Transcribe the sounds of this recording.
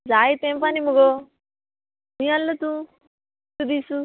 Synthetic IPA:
d͡ʒaːjit̪eːmpanimːuɡo | miɐlːɐt̪u | t̪ud̪iːsu

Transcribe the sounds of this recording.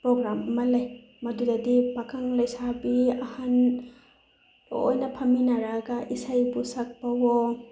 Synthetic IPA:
pɾɔɡɾammalaj | madudadibakʰaŋlajsabiahan | o̰jnapʰaminaɾaɡaʔisajbusak̚bawɔ

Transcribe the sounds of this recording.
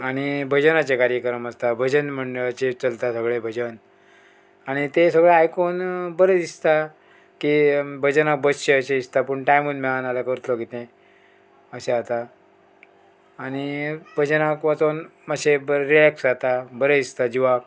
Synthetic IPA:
aɽ̃ibʱəd͡ʑənat͡ɕekaɾjəkɾəməst̪abʱəd͡ʑənm̤əɳɖəɭat͡ɕet͡səlt̪asəɡɭebʱəd͡ʑən | aɽ̃it̪esəɡɭeajkonbəɾəd̪ist̪a | kibʱəd͡ʑənak̚bəd͡zɕeəɕeist̪apəɳʈajmunmɛɭanalakəɾt̪lokit̪ẽ | əɕeat̪a | ɽ̃ibʱəd͡ʑənakʋat͡sonmaɕebəɾilɛksat̪abəɾədist̪ad͡ʑiʋak

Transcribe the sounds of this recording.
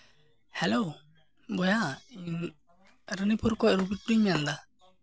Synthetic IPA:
hɛlo | bɔja | ɾənipʰuɾkɔʔɾubiʈ̚bɾiɲmɛjand̪a

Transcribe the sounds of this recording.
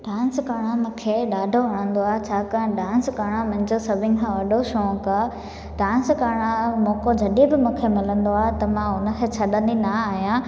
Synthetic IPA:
ɖãːnskaːɽ̃ãmũːkʰeɗaːɖʱoʋɐɽ̃ə̃nd̪oaːɦet͡ɕʰaːkɐ̃ɖãːnskaːɽ̃ãmʊ̃ɦɪ̃ɲd͡ʑosɐbʱɪnkʰãːʋɐɗʱoʃɔ̃ːkaː | ɖaːnskaːɽ̃ãmõːkod͡ʑʱɐɗibɪmũːkʰemɪlə̃nd̪oaːɦet̪ɐmãʊnə̆kʰet͡ɕʰɐɗə̃nd̪inɐaːɦijã

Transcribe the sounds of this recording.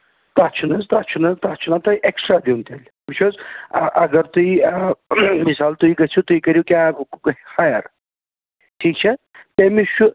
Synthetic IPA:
t̪at͡ʃʰunɐzt̪at͡ʃʰunɐzt̪at͡ʃʰunat̪ɐjʔeksʈɾad̪iunt̪ɐlʲ | mit͡ʃʰozʔɐɡɐɾt̪ui | misaːlt̪uiɡɐt͡ʃʰut̪uikɐɾjukʲja | hajɐɾ | ʈʰiːk̚t͡ʃʰɐ | t̪ɐmiʃu

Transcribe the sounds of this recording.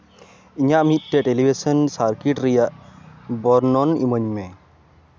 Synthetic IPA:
iɲaʔmit̪̚ˀʈɛʈelibʱesɔnsaɾkiʈɾɛjaʔbɔɾnɔnḭməɲmɛ

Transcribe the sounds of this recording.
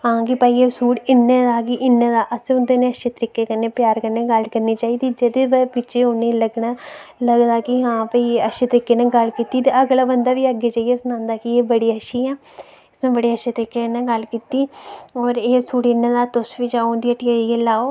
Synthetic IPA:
ɦãːkɪpəːiːesuːɽɪnːeːd̪aːɡiʔɪnːẽːd̪aːʔəsẽʊnd̪eːneːəʃeːt̪əɾɪkːeːkəɾneːpjaːɾkəɾneːɡəlkəɾniːt͡ʃaːiːd̪iːd͡ʒəd̪eːʋepɪt͡ʃʰeːʊnːẽːləɡnaːləɡd̪aːkɪɦãːpəiəʃeːt̪əɾɪkːeːneːɡəlkiːt̪iːt̪eəɡlaːbənd̪aːʋiːəɡeːt͡ʃaːieːsənãːnd̪aːkɪeːbəɽiːəʃiːɛː | ɪsnẽːbəɽiːəʃeːt̪əɾɪkːeːnːeːɡəlkiːt̪iːɔːɾeːsuːʈɪnːẽːd̪aːt̪ʊsʋiːd͡ʒaːond̪iːəʈiːəiːlaːoː

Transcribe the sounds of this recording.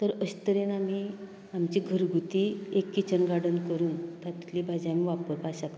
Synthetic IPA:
t̪əɾəɕt̪əɾenam̤iː | amt͡ɕiɡʱəɾɡʱut̪iekːit͡ɕənɡaɽənkəɾuːnt̪ʰat̪i̥t̪libad͡ʑamiʋapəɾpaɕak

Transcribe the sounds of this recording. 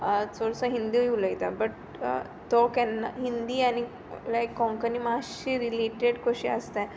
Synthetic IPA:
t͡soɽsəɦĩnd̪ijuləjt̪abəʈ̚ | t̪okɛnɦind̪iːani | lajkːɔ̃ŋkənimaɕiɾileʈeɽkoɕḭə̰st̪a

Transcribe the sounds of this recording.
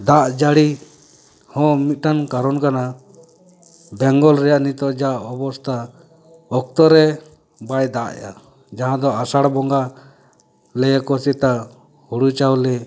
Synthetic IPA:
d̪aʔd͡ʒaɽi | hɔ̃mit̪̚ʈankaɾɔnkana | bɛŋɡɔlɾɛjaʔnit̪ɔʔd͡ʒaʔɔbɔst̪a | ɔk̚t̪ɔɾɛ | bajd̪aʔɛ̰ja̰ | d͡ʒaɦãd̪ɔasaɽbɔŋɡa | lɛjɛkɔsɛt̪a | huɽut͡ʃawlɛ

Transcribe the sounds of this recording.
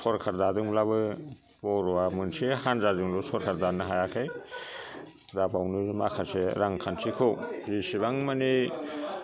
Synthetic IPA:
sʰɔɾkʰaɾdadɯŋblabɯ | bɔɾɔamɯnsehanzazɯŋlusɔɾkʰaɾdanɯɦajakʰaj | dabawnɯmakʰaseɾaŋkʰansʰikʰozisiβaŋmani

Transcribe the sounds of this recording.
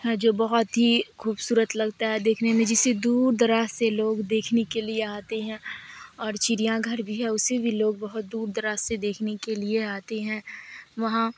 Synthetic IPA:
ɦɛd͡ʒoːbɐɦʊt̪ɦixuːbsuːɾət̪lɐɡt̪aɦɛd̪eːkʰnemẽd͡ʒɪsed̪uːɾd̪ɐɾaːseloːɡd̪eːkʰnekelieaːt̪eɦɛ̃ɔːɾt͡ʃiɾijãɡʱɐɾbʱiɦɛʊsibʱiloːɡ̚bɐɦʊt̪̚d̪uːɾd̪ɐɾaːsed̪eːkʰnekelieaːt̪eɦɛ̃ːʋɐɦã

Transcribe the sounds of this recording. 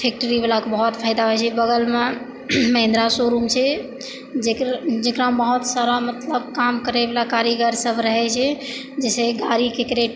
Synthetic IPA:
pʰek̚ʈəɾibelakebəɦɔt̪pʰaɪd̪aɦojt͡ʃʰɛbəɡəlme | məɦɪ̃nd̪ɾasoɾumt͡ʃʰɛ | d͡ʒekd͡ʒekɾabəɦut̪saɾamət̪ləbkamkəɾebelakaɾiɡəɾsəbʱɾəɦɛt͡ʃʰɛ | d͡ʒɛseɡaɾikekɾeʈ

